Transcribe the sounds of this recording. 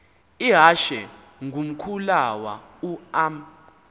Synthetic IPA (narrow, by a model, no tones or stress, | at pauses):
iɦaʃɛ | ŋɡʱum̩kʰulawa̰ | uam